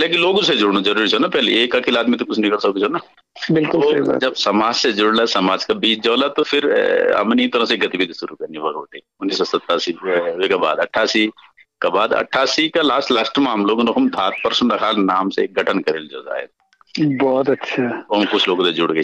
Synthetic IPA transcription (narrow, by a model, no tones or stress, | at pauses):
leːkɪloːɡõsed͡ʒʊɽnod͡ʒɐɾuːɾisʰonapɛɦleeːkɐkelaːd̪mit̪okʊt͡ʃʰnɪkəlsɐkkːit͡ʃʰona | bɪlkʊlo̰d͡ʒɐbsɐmaːd͡ʒsed͡ʒʊɽlasɐmaːd͡ʒkabiːsʰd͡ʒɔːlat̪ofʰɪɾɐ̰mneit̪oɾãseɡɐt̪ibid̪sʊɾukɐɾniʋɐɾoːʈe | ʊnːiːsːɔsɐt̪ːaːsiekaba̰ːd̪ɐʈʰːaːsi | kabaːd̪ɐ̰ʈʰaːsikalaːsʈlaːsʈmãɦɐmloːɡnoɦɐmt̪ʰaːt̪̚pɐɾsənɾɐkʰaːlnaːmsḛkɡʱɐʈʰənkɐɾeːld͡ʒo̰ːza̰ːḛd̪ | bɔːt̪ɐtːʃʰaoɦɐmkʊt͡ʃʰloːɡõt̪ed͡ʒʊɽɡɐ